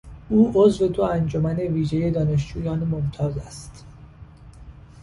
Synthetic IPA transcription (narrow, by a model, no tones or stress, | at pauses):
ʔuːʔozve̞d̪oænd͡ʒomæne̞viːʒeje̞d̪ɒːne̞ʃd͡ʒuːjɒːnmomt̪ʰɒːzæst̪